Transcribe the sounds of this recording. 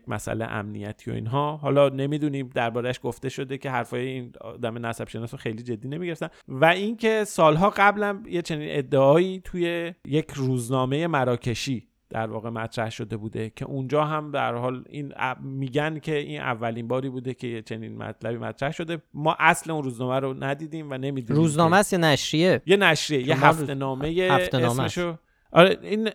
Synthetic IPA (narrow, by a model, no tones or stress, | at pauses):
mæ̰sæ̰lḛʔæ̰mnḭjæt̪ʰiːo̞̰ḭːnɦɒːɦɒːlɒne̞miːd̪uniːmd̪æɾbɒːɾæʃɡoft̪e̞ʃo̞d̪e̞cʰe̞ɦæɾfɒːjein̰d̪æmenæsæb̥ʃe̞nɒːsɔxe̞jliːd͡ʒe̞d̪ːiːne̞miɟeɾeft̪ænnvæincʰe̞sɒːlɦɒːɣæblænje̞t͡ʃʰe̞niːnʔe̞d̪ːeɒːiːt̪ʰuje̞jecʰɾuːznɒːme̞je̞mæɾɒːcʰe̞ʃiː | d̪̥æ̰ɾvɒ̰ːɣe̞mæt̪ʰɾæhʃo̞d̪e̞buːd̪e̞cʰe̞̰ʔund͡ʒɒːɦæmd̪æ̰ɾhɒːlḭːn̰miːɟæncʰe̞iːnʔæ̰vːæliːnbɒːɾiːbuːd̪e̞cʰe̞jet͡ʃʰe̞niːnmæ̰t̪ʰlæbiːmæ̰t̪ʰɾæhʃo̞d̪e̞mɒːʔæsle̞unruːznɒːmæɾonæd̪iːd̪iːmvæne̞miːd̪uɾuːznɒːmæst̪jenæʃɾiejenæʃɾiejeɦæft̪e̞nɒːme̞jeesmeʃo | ʔɒɾein